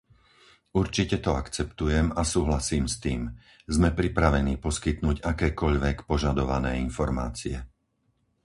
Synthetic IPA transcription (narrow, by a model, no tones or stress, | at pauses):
uɾt͡ʃicɛt̪ɔakt͡sɛpt̪ujɛmasuːɦlasiːmst̪iːm | zmɛpɾipɾaʋɛniːpɔskit̪nuːɟakɛːkɔʎʋɛkpɔʒad̪ɔʋanɛːinfɔɾma̰ːt͡siɛ